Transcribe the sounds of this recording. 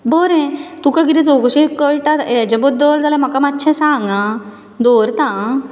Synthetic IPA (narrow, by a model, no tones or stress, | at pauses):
bʱɔɾɛ̃t̪ukaɡiɾid͡zoɡɕĩkəɭʈat̪jad͡ʑabɔd̪əld͡zalãm̤akamatːɕʰɛ̃sãŋɡã | d̪oɾt̪ã